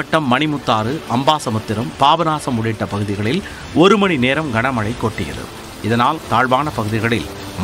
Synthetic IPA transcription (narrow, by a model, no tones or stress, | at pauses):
ɐʈːɐmːɐɳɪmʊt̪ːaːɾɯʔɐmbaːsɐmɐt̪ːɪɾɐmpaːʋɐnaːsɐmʊɽɪʈːɐpɐɣɯðɪɣɐɭɪl | ɔɾɯmɐɳineːɾɐmɡɐɳɐmɐɭɐɪkːoːʈːɪjɐ̰ðɯ̰ | ɪðɐnaːlt̪aːɻʋaːnɐpɐɣɯðɪɣɐɭɪ̰l | m